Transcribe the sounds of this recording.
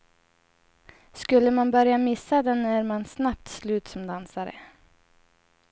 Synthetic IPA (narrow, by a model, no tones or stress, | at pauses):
skɵlːəmanbœɾjamɪsːad̪ɛnæɾmansnap̚t̪slʉ̟ːt̪sɔmd̪ansaɾə̰